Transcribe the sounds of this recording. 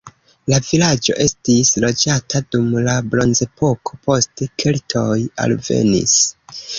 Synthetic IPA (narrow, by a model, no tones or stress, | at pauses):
lavilad͡ʒo̞̰ʔe̞stislo̞d͡ʒatʰadumlabɾo̞nze̞pʰo̞kʰo̞pʰo̞stekʰeltʰo̞ja̰lve̞̰nḭs